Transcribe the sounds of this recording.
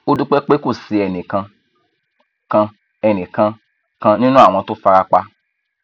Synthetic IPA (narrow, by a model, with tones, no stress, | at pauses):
o˧du˦k͡pe˦k͡pe˦ko˦˨si˧ɛ˨nĩ˨kã˧ | kã˧ | ɛ˨nĩ˨kã˧ | kã˧nĩ˦nũ˦a˦˨w̃ɔ̃˧to˦fa˧ɾa˦k͡pa˦